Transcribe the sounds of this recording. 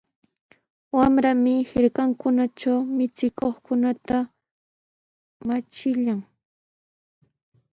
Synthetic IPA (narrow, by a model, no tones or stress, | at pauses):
wamɾamɪhɪɾkaŋkʊnaʈ͡ʂawmɪt͡sɪkoχkʊnat̪a | mat͡ʃɪʎaŋ